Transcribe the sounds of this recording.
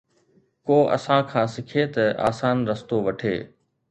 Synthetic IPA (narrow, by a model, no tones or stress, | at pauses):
koːʔɐ̰sãkʰãːsɪkʰeːt̪ɐʔa̰ːsaːnɾɐst̪oːʋɐʈʰḛː